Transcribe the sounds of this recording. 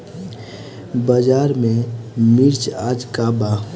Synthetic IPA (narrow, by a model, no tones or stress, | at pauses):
bəd͡ʒaːɾmẽmɪɾt͡ʃaːd͡ʒkaba